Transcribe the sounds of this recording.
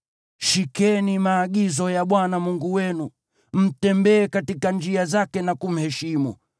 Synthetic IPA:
ʃikɛnimaːɠizɔjaɓwanamuŋɡuwɛnu | m̩tɛmbɛːkatikand͡ʒiazakɛnakum̩hɛʃimṵ

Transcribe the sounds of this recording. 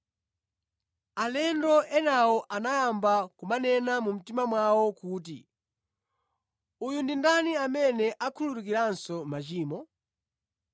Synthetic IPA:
alɛndɔʔɛnawɔʔanajambakumanɛnamum̩timamwawɔkuːt̬ḭ | ujundindaniamɛnɛʔakʰuluɾuk̬iɾansɔmat͡ʃiːmɔ

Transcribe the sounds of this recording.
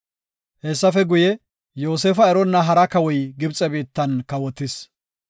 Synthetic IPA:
hɛsːɐfɛɡʊjɛ | jo̞ːseːfɐɛɾɔnːɐɦɐɾɐkɐwɔjɡɪbt͡sʼɛbiːt̪ːɐnkɐwɔt̪ːɪs

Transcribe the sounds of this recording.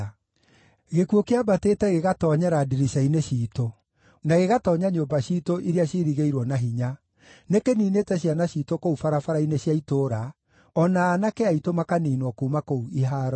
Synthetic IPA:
ɣekuokeabateːtɛɣeɣatɔɲɛɾadiɾiʃaineʃiːto | naɣeɣatɔːɲaɲoːmbaɕitoʔiɾiaɕiɾiɣeiɾwɔnaɦiɲa | nekeniːneːtɛɕianaɕitokoufaɾafaɾaineɕjaitoːɾa | ɔnaːnakeaitomakaniːnwɔkuːmakouiɦaːɾɔ

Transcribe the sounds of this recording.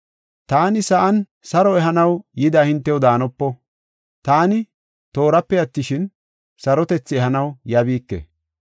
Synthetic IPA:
t̪aːnɪsɐʔɐn | sɐɾɔɛɦɐnɐwjɪd̪aːhɪnt̪ːɛwʊd̪aːnɔpːɔ | t̪aːnɪ | t̪o̞ːɾɐpːɛjɐt̪ːɪʃɪn | sɐɾɔt̪ɛt͡sːɪɛhɐnɐwjɐbiːkːḛ

